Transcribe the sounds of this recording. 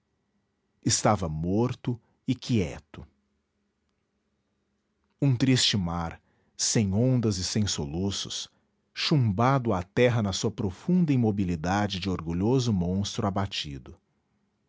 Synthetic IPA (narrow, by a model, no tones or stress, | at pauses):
ɪst̪avɐmoɾt̪ʊ | ɪkʰiɛ̰t̪ʊ | ũt̪ɾist͡ʃɪmaɾ | sẽj̃õnd̪ɐzɪsẽj̃solusʊ̰s | ʃũmbad̪ʊat̪ɛɦɐnɐsuɐpɾofũnd̪ɐimobilid̪ad͡ʒɪd͡ʒɪoɾɡuʎozʊmõst̪ɾʊabat͡ʃḭd̪ʊ